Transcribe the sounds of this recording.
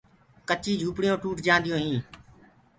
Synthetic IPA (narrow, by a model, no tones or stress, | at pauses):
kət͡ʃiːd͡ʒʱuːpɽɪjõːʈuːʈd͡ʒãːnd̪ɪjõːɦĩː